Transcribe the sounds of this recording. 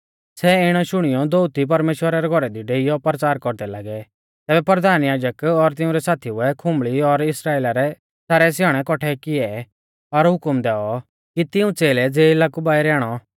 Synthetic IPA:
sɛɪɽ̃ɔʃʊɽ̃ɪjɔd̪out̪ip̬ɐɾmeːʃwəɾaɾɛɡʱɔɾɛd̪iɖeːijɔpəɾt͡saːɾkɔɾd̪ɛlaɡɛ | t̪ɛːbɛpɾəd̪ʱaːnjaːd͡ʒəkɔɾt̪ɪ̃ũɾɛsaːt̪ʰiʊɛkʰʊ̃mbɭiɔɾɪsɾaːeːlaɾɛ | saːɾɛs̬jaːɽ̃ɛkɔʈʰɛkɪɛ | ɔɾɦʊkmd̪ɛːɔ | kit̪ɪũt͡seːlɛd͡zeːɪlaːkubaːiɾɛːɽ̃ɔ

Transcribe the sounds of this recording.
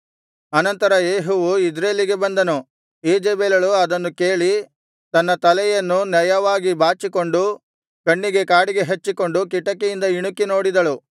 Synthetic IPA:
ɐnɐnt̪ɐɾɐjeːɦuʋuid͡ʒɾeːliɡe̞bɐnd̪ɐnu | eːd͡ʒeːbeːlɐɭuɐd̪ɐnːuke̞ːɭi | t̪ɐnːɐt̪ɐlɛjɐnːunjɐjɐʋaːɡibʱaːt͡ʃiko̞ɳɖu | kɐɳːiɡe̞kaːɽiɡe̞ɦet͡ʃːiko̞ɳɖukiʈːɐkːejind̪ɐiɳukːino̞ːɽid̪ɐɭu

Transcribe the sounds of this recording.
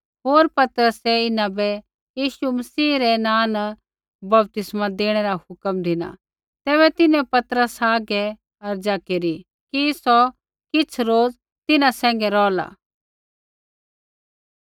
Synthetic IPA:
ɦoːɾpɐt̪ɾəsɛɪnãbɛ | jiːʃumɐsiːɾɛnãːnə | bɐb̚t̪ɪsmad̪eːɽ̃ɛɾahʊkəmd̪ʱɪna̰ | t̪ɛːβɛt̪ɪnɛ̃pɐt̪ɾəsaːɡɛ | ɐɾd͡ʒakeɾi | kisɔ | kɪt͡sʰɾoːd͡z | t̪ɪnãsɛ̃ːŋ̆ɡɛɾɔːla̰

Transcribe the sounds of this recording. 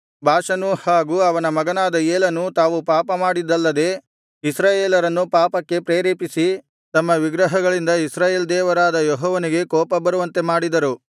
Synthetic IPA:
bʱaːʂɐnuhaːɡuːɐʋɐnɐmɐɡɐnaːd̪ɐeːlɐnut̪aːʋupaːpɐmaːɽid̪ːɐlːɐd̪e̞ː | isɾaːjeːlɐɾɐnːupaːpɐkːe̞pɾeːɾeːpisi | t̪ɐmːɐʋiɡɾɐɦɐɡɐɭind̪ɐisɾaːjeːld̪ɛːʋɐɾaːd̪ɐjɔɦɔːʋɐniɡe̞kɔːpɐbɐɾuʋɐnt̪e̞maːɽid̪ɐɾu

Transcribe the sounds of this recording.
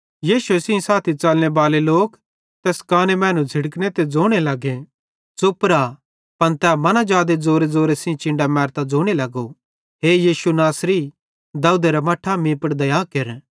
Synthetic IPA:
jiːʃuesɪ̃ĩsaːt̪ʰit͡ʃɐlñebaːleloːk | t̪ɛːskaːnemɛ̃ːnũd͡zʱɪɽknet̪ed͡zoːɽ̃elɐɡẽ | zopɾa | pɐnt̪ɛːmɐnad͡ʒaːd̪ed͡zoːɾed͡zoːɾesɪ̃ĩt͡ʃɪ̃ɳɖamɛːɾt̪ad͡zoːɽ̃elɐɡo | ɦeːjiːʃunaːsɾi | d̪ɐːud̪eɾamɐʈʰamĩːpɐɽd̪ɐjaːkeɾ

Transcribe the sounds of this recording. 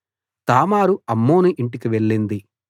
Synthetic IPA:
t̪aːmaːɾuɐmːoːnuʔiɳʈikiʋe̞ɭːind̪i

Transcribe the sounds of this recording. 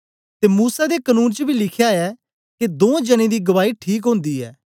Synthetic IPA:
t̪eːmuːsad̪ekənuːnt͡ʃəbʱilɪkʰjaɛː | ked̪õːd͡ʒəñẽd̪iːɡɐʋaːiʈʰiːk̬ɦõːnd̪iɛ̰ː

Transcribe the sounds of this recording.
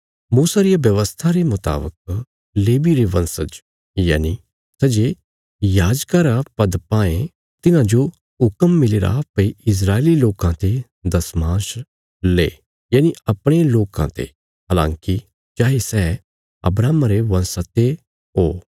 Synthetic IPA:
muːsaɾijabjɐʋəst̪ʰaɾemʊt̪a̰ːbə̰k̚ | leːbiɾeʋɐ̃nsət͡ʃ | jaːni | sɛd͡ʒe | jaːd͡ʒkaɾapɐd̪pãːẽ | t̪ɪnãd͡ʒo | ʊkəmːɪleːɾa̰piɪs̬ɾaːeːliloːkãt̪e | d̪ɐsmaːʃ | leː | jaːniɐpɽ̃eloːkã̰t̪ʰḛ | ɦaːlã̰ːŋki | d͡ʒaːesɛː | ɐ̰bɾaːmaɾeʋɐ̃nsat̪e | ɦoː

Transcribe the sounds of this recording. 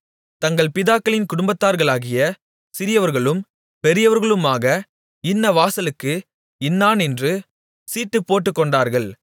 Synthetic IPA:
t̪ɐŋɡɐɭpɪðaːkːɐɭɪnkʊɽʊmbɐt̪ːaːɾɣɐɭaːɣɪjɐ | sɪɾɪjɐʋɐɾɣɐɭɯm | pɛɾɪjɐʋɐɾɣɐɭɯmaːɣɐ | ɪnːɐʋaːsɐlɯkːɯ | ɪnːaːnɛndrɯ | siːʈːɯpːoːʈːɯkːɔɳɖaːɾɣɐɭ

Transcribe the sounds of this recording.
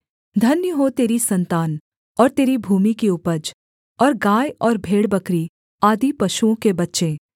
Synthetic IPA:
d̪ʱɐnjəɦot̪eːɾisɐ̃nt̪aːn | ɔːɾt̪eːɾibʱuːmikiʊpəd͡ʒ | ɔːɾɡaːjɔːɾbʱeːɽbɐkɾi | aːd̪ipɐʃuõkebɐtːʃẽ

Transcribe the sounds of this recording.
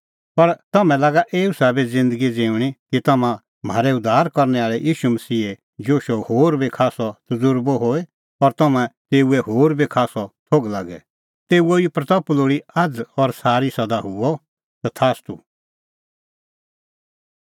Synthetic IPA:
pɐɾt̪ɐmɛ̃laːɡaʔeːusabid͡zɪ̃nd̪əɡid͡zẽːũɽ̃ikit̪ɐmã | m̤aːɾɛʊd̪ʱːaːɾkɐɾnɛaːɭɛjʔiːʃumɐsiːe | d͡ʒoːʃɔhoːɾbikʰaːsɔt̪ʊzʊɾbɔɦoːe | ɔɾt̪ɐmãt̪eːuɛɦoːɾbikʰaːsɔt̪ʰoːɡlaɡɛ̰ | t̪eːuoipɾɐt̪ɐploːɽiɐd͡zɔɾsaːɾisɐd̪aɦʊɔ | t̪at̪ʰaːst̪ṵ

